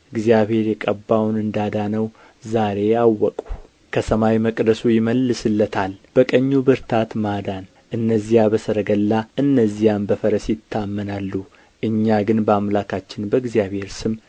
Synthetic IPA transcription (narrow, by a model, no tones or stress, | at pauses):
ɨɡzijaβhe̞ɾjɛkʼəbːawnɨnd̪ad̪anəw | zaɾe̞jawːɔkʼu | kʰəsəmawməkʼd̪əsujɪməlːɨsɨlːət̪ʰalb̥əkʼəɲːubɨɾt̪ʰat̪mad̪an | ʔɨnːəzːijabəsəɾəɡəlːaʔɨnːəzːijambəfəɾəsjɪt̪ʰːamːənalːu | ʔɨɲːaɡɨnbəamlakʰat͡ʃːɪnbəɡzijaβhe̞ɾsɨm